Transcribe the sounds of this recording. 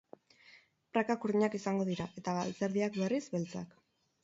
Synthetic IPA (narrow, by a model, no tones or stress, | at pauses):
pɾakakuɾðiɲakisaŋɡo̞ðiɾaʔe̞t̪aɣa̰lt͡se̞ɾðiakbe̞rizbe̞lt͡sa̰k